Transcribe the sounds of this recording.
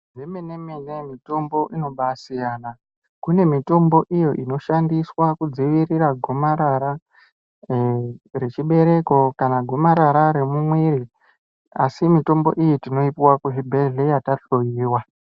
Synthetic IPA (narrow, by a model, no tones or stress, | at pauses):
ʐemeneminemito̞mbo̞ʔino̞ɓasijaːna | kune̞mito̞mbo̞ʔijo̞ʔino̞ʃandiswakud͡ziʋiriɾaɡʱo̞maɾaɾa | ret͡ʃiɓe̞ɾe̞ko̞kanaɡʱo̞maɾaɾaɾemumwiɾi | asimito̞mbo̞̰ʔijitino̞ipiwakuɦibʱe̞ɮe̞jataɬojiːwa